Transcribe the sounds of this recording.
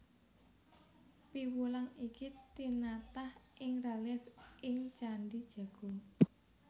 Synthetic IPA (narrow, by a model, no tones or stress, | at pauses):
piwulaŋikit̪inat̪ahʔɪŋralɛfɪŋt͡ʃaɳɖid̥ʒ̥ä̤ɡ̥o̤